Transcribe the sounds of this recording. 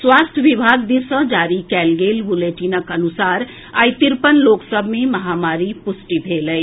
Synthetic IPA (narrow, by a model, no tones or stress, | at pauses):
swaːst̪ʰəʋibʱaːɡd̪isə̃d͡ʒaːɾikɛːlɡeːlbʊleːʈinəkənʊsaːɾ | aːjt̪iɾpənloːksəbʱmẽməɦaːmaːɾipʊsʈibʱeːləj